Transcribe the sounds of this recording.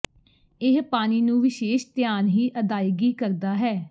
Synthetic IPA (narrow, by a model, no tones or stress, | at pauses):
ɪɦpaːniːnũːʋɪʃeːʃt̪jaːnɦiːʔəd̪aːjɡiːkəɾd̪aːɦɛː